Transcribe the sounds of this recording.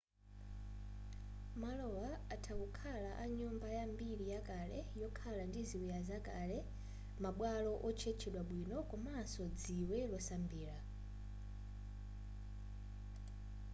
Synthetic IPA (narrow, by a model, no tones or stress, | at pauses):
malɔwaːtʰakukʰalaʔaɲumbajambiɾijakalɛ̰jɔkʰalandiziwijazakalɛ | maɓwalɔʔɔt͡ʃʰɛt͡ʃʰɛɗwaɓwinɔkɔmasɔd͡ziwɛlɔsambiːɾa